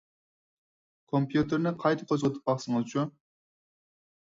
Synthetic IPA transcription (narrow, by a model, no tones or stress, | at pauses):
kʰompjut̪ɪɾnɪqʰɑjt̪ʰɨ̥qʰozʁət̪ʰɨ̥p̚bɑχsɨŋɨzt͡ʃʰun